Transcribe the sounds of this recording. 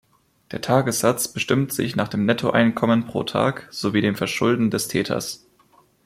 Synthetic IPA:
d̥eːɐtʰaːɡəsz̥at͡sb̥əʃtɪmtz̥ɪ̰çnaːχd̥eːmnɛtʰoʔaɪnkʰɔmənpʁ̥o̰ːtʰa̰ːkz̥oviːdeːmfɛɐʃʊldn̩dɛstʰɛ̰ːtʰɐ̰s

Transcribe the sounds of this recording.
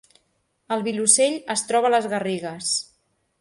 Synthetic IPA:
əlˠβiluseʎəst̪ɾɔβələzɣəriɣəs

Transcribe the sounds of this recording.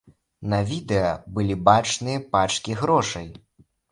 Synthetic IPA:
nɐvʲid̪ɛjɐbɨlʲibat͡ʂnɨjɐpat͡ʂkʲiɣɾɔʂɐj

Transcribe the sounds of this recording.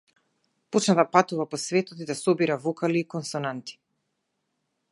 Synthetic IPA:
pot͡ʃnat̪apat̪uvapɔsvɛt̪ɔt̪id̪asɔbiɾavɔkaliːkɔnsɔnant̪i̥

